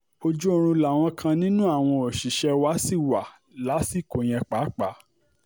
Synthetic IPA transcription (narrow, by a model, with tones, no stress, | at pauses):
o˧d͡ʒu˦o˦˧ɾ̃ũ˧la˨w̃ɔ̃˧kʰã˧nĩ˦nũ˦a˦˨w̃ɔ̃˧ɔ˨ʃi˨ʃɛ˧wa˦si˦˨wa˨ | la˨˦si˦˨ko˨j̃ɛ̃˧k͡pa˨˦k͡pa˨˦